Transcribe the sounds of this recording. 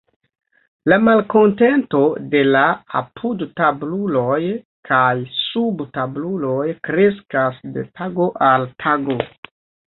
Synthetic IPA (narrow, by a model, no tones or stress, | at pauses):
lamalko̞nte̞nto̞de̞laa̰pʰudtablulo̞j | kʰajsubtablulo̞jkɾe̞s̬kasde̞̰tʰaɡo̞ʔaltʰaɡo̞